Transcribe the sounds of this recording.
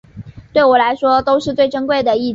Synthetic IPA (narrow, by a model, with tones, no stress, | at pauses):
t̪we˥˩ɪwɔ˨˩la˧˥ɪʂwɔ˥t̪o˥ʊʂɻ̩˥˧t͡swe˥˩ɪʈ͡ʂə˥ŋkwe˥˩ɪd̪ə˩i˥˩